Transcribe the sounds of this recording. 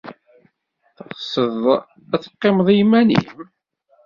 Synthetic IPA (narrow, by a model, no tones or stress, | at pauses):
θəʁsˤəðˤ | æθə̥qːemðˤijmænḭm